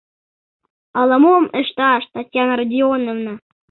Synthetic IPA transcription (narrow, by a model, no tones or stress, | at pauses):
ələ̆momeʃt̪ɑʃt̪ɑtʲjɑnəɾədʲionovnə